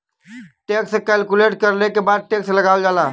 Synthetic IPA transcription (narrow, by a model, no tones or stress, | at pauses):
ʈeːksekɛːlkuleːʈkəɾlekebaːd̪̚ʈeːkselɐɡaːwd͡ʒaːlaː